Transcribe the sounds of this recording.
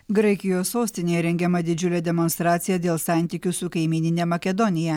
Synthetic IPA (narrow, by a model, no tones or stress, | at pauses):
ɡɾɐɪkʲɪjoːsːoːsʲt̪ʲɪnʲeːjɛɾʲɛŋʲɡʲɛmɐd̪ʲɪd͡ʒʲʊlʲɛd̪ʲɛmɔnst̪ɾɑːt̪sʲɪjɛd̪ʲeːlˠsɑˑnʲt̪ʲikʲʊsʊkɐɪmʲiːnʲɪnʲɛmɐkʲɛd̪ɔnʲɪjɛ